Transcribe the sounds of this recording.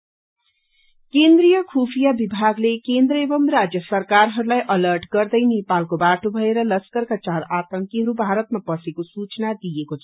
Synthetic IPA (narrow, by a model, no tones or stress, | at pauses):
kend̪rijʌkʰupʰijabibʱaɡlekend̪rʌebʌmrad͡zjʌsʌrkarɦʌɾulajʔʌlʌrʈɡʌrd̪ʌjnepalkobaʈobʱʌeɾʌlʌskʌrkat͡saɾat̪ʌŋkiɦʌɾubʱaɾʌt̪mapʌsekosut͡snad̪ijekot͡sʰʌ